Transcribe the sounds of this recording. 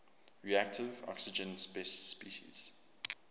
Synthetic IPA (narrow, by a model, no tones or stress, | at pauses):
ɹiæk̚tɪvɔ̰ksɪd͡ʒə̃nspɛsspiʃḭz̥